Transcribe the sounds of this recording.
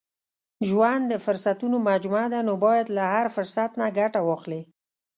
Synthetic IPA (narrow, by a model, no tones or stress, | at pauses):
ʒwand̪d̪ːəfʊɾsat̪unomad͡ʒmad̪anobɑjad̪lahaɾfʊɾsat̪naɡaʈawɑxle